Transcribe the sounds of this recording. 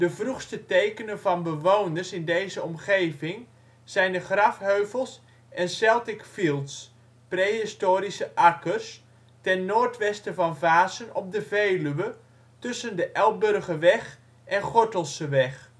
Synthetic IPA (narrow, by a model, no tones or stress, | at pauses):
d̥əvruxstətejkənənvɑnbəʋoːwnərsɪndejzəɔmχejvɪŋ | z̥ɛjndəχrɑfɦøɥvəlˠs | ʔɛnsɛlˠtɪkfilˠts | prejɦɪstoːɾisəʔakərs | tɛnːoːrtʋɛstəvɑnvaːzənɔp̚dəvejlyʋə | tɵsəndəʔɛl̚ˠbɵrɣəʋɛχ | ʔɛnχɔɹtəlˠsəʋɛχ